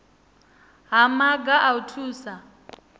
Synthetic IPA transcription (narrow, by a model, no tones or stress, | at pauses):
ɦamaɡaʔautʰuːsa